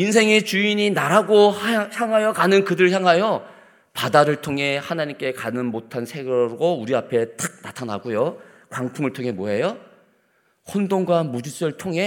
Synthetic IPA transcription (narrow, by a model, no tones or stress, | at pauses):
ins̬ʰe̞ŋet͡ɕuiɲinaɾaɡohajçjaŋɦajʌkanɯnkɯdɯɭçjaŋɦajo | padaɾɯɭtʰoŋɦe̞hanaɲimk͈e̞kanɯnmotʰansʰe̞ɡʌɾɡouɾiapʰe̞t͈ak̚natʰanaɡujokwaŋtʰuŋɯɭtʰoŋɦe̞moɦe̞jo | hondoŋɡanmud͡ʑis͈ɯɯɭtʰoŋɦe̞